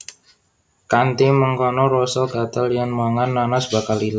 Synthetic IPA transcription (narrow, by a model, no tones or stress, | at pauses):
kant̪iməŋkɔnɔɾɔsəlkat̪əlijanmaŋanːanɔsbakalil